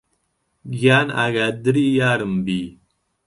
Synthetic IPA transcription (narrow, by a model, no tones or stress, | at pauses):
ɡaːna̰ɡad̪ɨɾijaːɾɨmbi